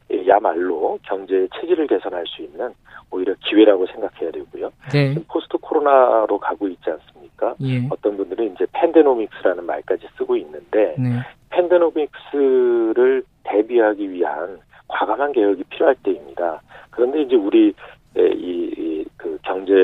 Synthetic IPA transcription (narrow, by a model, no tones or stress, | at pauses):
ejamaɭːokjʌŋd͡ʑe̞t͡ɕʰed͡ʑiɾɯɭke̞sʰʌnɦaɭs͈uinːɯnoiɾjʌkiwe̞ɾaɡosʰe̞ŋɡakʰe̞jade̞ɡujod͡ʑɯmpʰosʰɯ̥tʰɯkʰoɾonaɾokaɡoit̚t͡ɕ͈ians͈ɯmɲik͈aʌt͈ʌnbundɯɾɯnind͡ʑe̞pʰe̞ndenomik̚s͈ɯɾanɯnma̰ɭk͈ad͡ʑis͈ɯɡoinːɯnde̞pʰe̞ndenomik̚s͈ɯɾɯɭte̞biɦaɡiɥiɦan | kwaɡamanke̞weɡipʰiɾjoɦaɭt͈e̞imɲidakɯɾʌnde̞ind͡ʑe̞uɾi | ḛikɯkjʌŋd͡ʑe̞